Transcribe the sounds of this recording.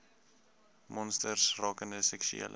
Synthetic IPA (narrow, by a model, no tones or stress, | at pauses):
mɔnstərsrɑːkəndəsɛksy̰ḛːlʔə